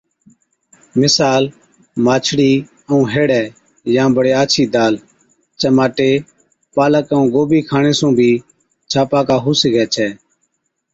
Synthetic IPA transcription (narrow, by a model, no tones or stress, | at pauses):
mɪsaːl | maːt͡ʃʰɽiː | əũːɦeːɽɛː | jãːbəɽeːaːt͡ʃʰiːd̪aːl | t͡ʃəmaːʈeː | paːləkəũːɡoːbiːkʰaːɳeːsũːbʱiː | t͡ʃʰaːpaːkaːɦuːsɡɛːt͡ʃʰɛː